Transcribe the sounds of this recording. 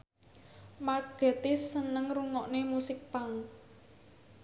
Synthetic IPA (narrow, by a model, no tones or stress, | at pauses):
marɡ̥e̤t̪ɪsːənəŋruŋɔʔnemusɪk̚paŋ